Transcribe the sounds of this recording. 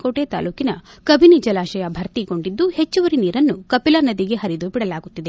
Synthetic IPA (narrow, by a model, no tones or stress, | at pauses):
koːʈet̪a̰ːluːkinɐkɐbʱinid͡ʒɐlaːʃɐjɐbʱɐɾt̪iɡo̞ɳɖid̪ːuhet͡ʃːuʋɐɾiniːɾɐnːukɐpilɐnɐd̪iɡe̞ɦɐɾid̪ubiɽɐlaːɡut̪ːid̪e̞